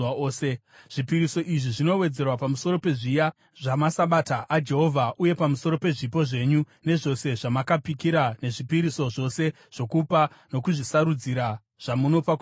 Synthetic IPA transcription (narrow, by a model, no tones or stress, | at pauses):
se | ʐ̥ipiɾiso̞ʔiʐiʐino̞we̞d͡ze̞rwapamuso̞ɾo̞pe̞ʐija | ʐamasaɓataʔːd͡ʒe̞ɦo̞vʱaʔuje̞pamuso̞ɾo̞pe̞ʐipo̞ʐe̞ɲu | ne̞ʐo̞se̞ʐamakapikiɾane̞ʐipiɾiso̞ʐo̞se̞ | ʐ̥o̞kupano̞kuʐisaɾud͡ziɾa | ʐ̥amuno̞pak